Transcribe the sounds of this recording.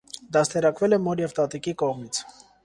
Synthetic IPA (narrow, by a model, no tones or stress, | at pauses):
d̪ɑst̪ʰɛɾɑkvɛlɛmɔɾjɛvt̪ɑt̪ikikɔʁmit͡sʰ